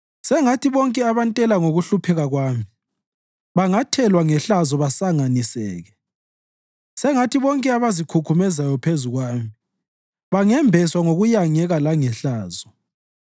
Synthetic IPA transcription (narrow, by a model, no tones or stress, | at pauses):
sɛŋatʰiβɔŋkʼɛaβantʼɛlaŋoɣuɬupʰɛɣaɣwaːmi | βaŋatʰɛlwaŋɛɬazɔβasaŋanisɛ̰ːɣɛ | sɛŋatʰiβɔŋkʼɛaβazikʰukʰumɛzajɔpʰezuɣwaːmi | βaŋɛmbʱɛswaŋoɣujaŋɛɣalaŋɛɬaːzɔ